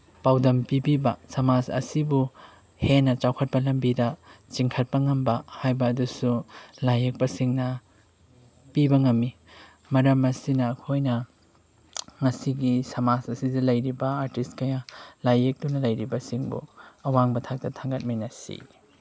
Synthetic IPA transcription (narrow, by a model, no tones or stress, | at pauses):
pawdɐmpibibɐsɐmasɐ̰sibu | henɐt͡ʃawkʰɐt̚pɐlɐmbidɐt͡ʃiŋkʰɐt̚pɐŋɐmbɐhajbɐːdusulajek̚pɐsiŋnɐ | pibɐŋɐmːi | mɐɾɐmɐsinɐːkʰojnɐ | ŋɐsiɡisɐmasɐsizilɐjɾibɐaɾtist̚kɐjalajek̚dunɐlɐjɾibɐsiŋbṵɐwaŋbɐtʰak̚tɐtʰaŋɡɐt̚mijnɐsḭ